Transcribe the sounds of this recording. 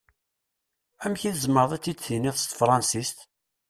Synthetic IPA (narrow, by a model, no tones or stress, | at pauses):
æmçiðəzməɾðˤæt͡sːiθiniðˤst̪fɾˤɑnsist̪